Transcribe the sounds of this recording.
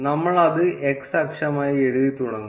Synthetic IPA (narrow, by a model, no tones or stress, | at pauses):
nɐmːɐɭɐðɨʔeksɐkʂɐmaːjieɻuðit̪ːuɽɐŋːu